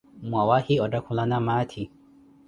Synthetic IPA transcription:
mwawahiɔdakʰulanamatʰi

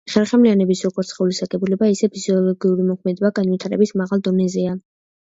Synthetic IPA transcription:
χɛɾχɛmlianɛbisɾɔɡɔt̪sʰχɛulisaɡɛbulɛbaisɛpʰiz̥iɔlˠɔɡiuɾimɔkʰmɛd̪ɛbaɡanwit̪ʰaɾɛbismaʁalˠd̪ɔnɛzɛa

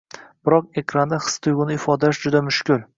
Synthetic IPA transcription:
b̥ɪɾɒq̚e̞kʲʰɾand̪aχɨ̥st̪ʰʊjɡʊnɪɪfɒd̪aaʃd͡ʒʊd̪amʊʃkʲʊl

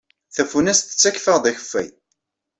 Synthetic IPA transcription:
θæfunæst̪ə̥t͡sːæçfəʁd̪ˤæçə̥fːæ̰j

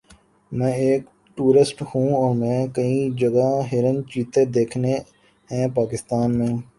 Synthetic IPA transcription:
mɛ̃ːeːk | ʈuːɾɪsʈhũːɔːɾmɛ̃ːkɐĩd͡ʒɐɡaɦɪɾənt͡ʃiːt̪ed̪eːkʰne | ɦɛ̃ːpaːkɪst̪aːnmẽː

